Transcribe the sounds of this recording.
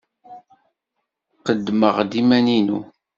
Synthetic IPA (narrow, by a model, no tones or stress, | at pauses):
qəd̪ːməʁd̪imæninṵ